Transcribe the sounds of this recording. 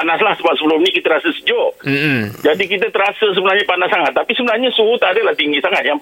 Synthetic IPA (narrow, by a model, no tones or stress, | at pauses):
anaslahsəbap̚səbəlʊmnikit̪əɾasəsəd͡ʒɔʔ̩d͡ʒadikit̪̬ət̪əɾasəs̬əbənarɲapanassaŋat̪ːapisəbənarɲasuut̪adəlaht̪iŋɡisaŋat̪̚jaŋ